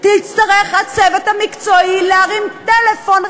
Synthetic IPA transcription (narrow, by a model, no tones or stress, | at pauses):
tɪlt͡stəʁɛχat͡sɛvətɐmɪkt͡sɔilaʁɪmtɛlɛfɔn